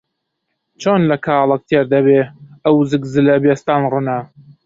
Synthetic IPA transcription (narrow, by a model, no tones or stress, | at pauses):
t͡ʃʰoːnlɐkʰaːlˠɐk̚t̪ʰeːɾd̪ɐbeːɐwzɨkzɨlɐbest̪aːnrunɐ